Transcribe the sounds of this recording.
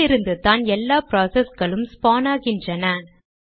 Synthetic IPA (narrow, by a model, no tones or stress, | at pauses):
ɪɾɯnd̪ɯt̪aːnɛlːaːpɾaːsɛsɣɐɭɯmspaːnaːɣɪndrɐnɐ